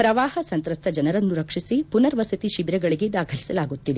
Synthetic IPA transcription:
pɾɐʋaːhɐsɐnt̪ɾɐst̪ʰɐd͡ʒɐnɐɾɐnːuɾɐkʂisipunɐɾʋɐsɐt̪iʃibɾɛɡɐɭiɡe̞d̪aːkʰɐlisɐlaːɡut̪ːid̪e

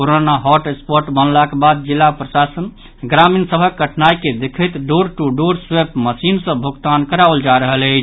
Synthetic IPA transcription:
oɾonaɦɔʈespoɾʈbənlakebad̪̚d͡ʒilːapɾəsasən | ɡɾaminsəbʱəkːəʈʰnajked̪ekʰət̪ɖoɾʈuɖoɾswepməsinsə̃bʱoɡt̪ankəɾald͡ʒaɾəɦələɪt͡ʃʰ

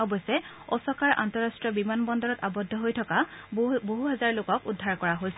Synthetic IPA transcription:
ɔbɔsɛ | ɔsɔkaɹʔa̰ntɔɹastɹiɔbimanbɔndɔɹɔtabɔdʱːɔɦojtʰɔkaboɦuɦɛzaɹlʊkɔkudʱːaɹkɔɹaɦojsɛ

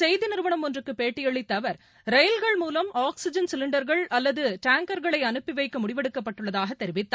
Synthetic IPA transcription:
sɛjðɪnɪɾɯʋɐɳɐmɔndrɯkːɯpːeːʈːɪjɛɭɪt̪ːɐʋɐɾ | ɾɐjlɣɐɭmuːlɐmaːksɪd͡ʒɐnsɪlɪɳɖɐɾɣɐɭɐlːɐðɯʈaːŋkɐɾɣɐɭɐɪɐnɯpːɪʋɐɪkːɐmʊɽɪʋɛɽɯkːɐpːɐʈːɯɭːɐðaːɣɐt̪ːɛɾɪʋɪt̪ːaː

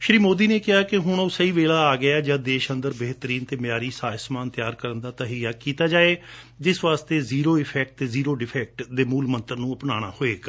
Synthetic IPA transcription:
ʃɾiːmoːd̪iːneːkɪɦaːkɪɦʊɳ̃oːsəiːʋeːlaːaːɡɪaːd͡ʒaːd̪eːʃənd̪əɾbeɦt̪əɾiːnt̪eːmjaːɾiːsaːsmaːnt̪ɪjaːɾkəɾənd̪aːt̪əɦiːjaːkiːt̪aːd͡ʒaːeː | d͡ʒɪsʋaːst̪eːziːɾoːɪpʰɛːk̚ʈt̪eːziːɾoːɖɪpʰɛːk̚ʈd̪eːmuːlmənt̪əɾnũːəpnaːɽ̃a̰ːhoːeːk

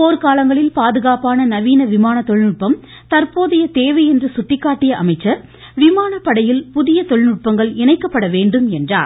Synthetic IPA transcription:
poːɾkaːlɐŋɡɐɭɪlpaːðɯɣaːpaːnɐnɐʋiːnɐʋɪmaːnɐt̪ːɔɭnʊʈ̚pɐm | t̪ɐɾpoːðɪjɐt̪eːʋɐɪɛndrɯsʊʈːɪkːaːʈːɪjɐʔɐmɐɪt͡ʃːɐɾ | ʋɪmaːnɐpːɐɽɐjɪlpʊðɪjɐt̪ɔɭnʊʈ̚pɐŋɡɐɭɪnɐɪkːɐpːɐɽɐʋeːɳɖɯmɛndra̰ːɾ

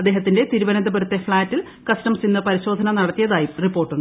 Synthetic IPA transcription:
ɐd̪ːe̞ːɦɐt̪ːindet̪iɾuʋɐnɐnd̪ɐbɐɾut̪ːe̞fɭaːtːil | kɐsʈɐmsinːɐpɐɾiɕo̞ːd̪ʱɐnɐnɐɽɐt̪ːijɐðaːjumripːoːrʈːuɳɖɨ

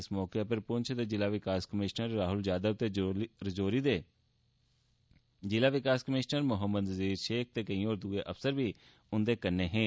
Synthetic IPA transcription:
ɪsmɔːkepəɾpʊnt͡ʃʰd̪eːd͡ʒɪlaːʋɪkaːskəmɪʃnəɾːaːɦʊld͡ʒaːd̪əb̚t̪eːɾəd͡ʒoːɾiːd̪eː | zɪlaːʋɪkaːskəmɪʃnəɾmʊɦəmːəd̪əziːɾʃeːk̚ʰt̪eːkəĩːoːɾd̪uːeːʔəfsəɾʋiː | ʊnd̪eːkəɾneːɦẽː

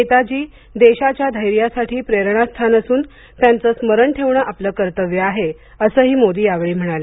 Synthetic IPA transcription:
et̪ad͡ʑiː | d̪eɕat͡ɕjad̪ʱəjɾjasaʈʰiːpɾeɾɳ̃ast̪ʰanəsuːn | t̪jant͡səːsməɾəɳʈʰeʋɳəʔapləːkəɾt̪əʋjəaɦe | əsəːɦiːmod̪iːjaʋɭiːm̤əɽ̃alə

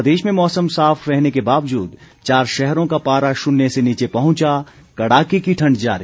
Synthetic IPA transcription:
d̪eːʃmẽmɔːsəmsaːfʰɾɛɦnekebaːʋd͡ʒuːd̪ | t͡ʃaːɾʃɛɦɾõkapaːɾaʃʊnːeseniːt͡ʃepɐɦʊ̃t͡ʃa | kɐɽaːkikiʈʰɐ̃ɳɖd͡ʒa̰ːɾi

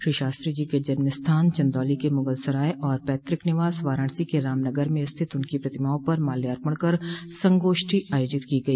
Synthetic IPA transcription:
ʃɾiːʃaːst̪ɾid͡ʒiːked͡ʒɐnmɪst̪ʰaːnt͡ʃɐ̃nd̪ɔːlikemʊŋɡəlsəɾaːeʔɔːɾpɛːt̪ɾɪknɪʋaːsʋaːɾãːɳsikeɾaːmnəɡəɾmẽst̪ʰɪt̪ʊnkipɾɐt̪ɪmaːõpɐɾmaːljaːɾpəɽ̃kɐɾsɐ̃ŋɡoːʃʈʰiaːjoːd͡ʒɪt̪kiɡɐiː

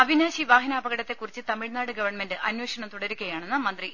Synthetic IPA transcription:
ɐbʱinaːɕiʋaːɦinaːbɐɣɐɽɐt̪ːe̞kːurit͡ɕːɨt̪ɐmiɭnaːɽɨɡɐʋɐrɳme̞ndɨʔɐnweːɕɐɳɐmt̪uɽɐɾukʲːɐjaːɳenːɨmɐnd̪ri

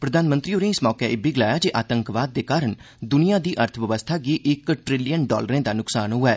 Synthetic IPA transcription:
pɾəd̪aːnmə̃nt̪ɾiːoɾẽːɪsmɔːkɛːɪbiːɡɪlaːjaːd͡ʒeːʔaːt̪əŋkʋaːd̪ːeːkaːɾəɳ | d̪ʊnijãːd̪iːʔəɾt̪ʰəʋjəʋəst̪ʰaːɡiːʔɪkʈɾɪlijənɖɔ̰ːləɾẽːd̪aːnʊksaːnɦʊɛː

